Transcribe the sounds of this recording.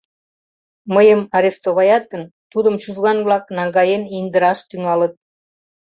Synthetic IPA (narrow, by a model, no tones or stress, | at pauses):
məjəmɑɾest̪oβɑjɑt̪̚ɡənt̪ud̪əmt͡ɕuʒɣɑnβlɑknɑŋɡɑjenind̪əɾɑʃt̪yŋɑlə̆t̪̚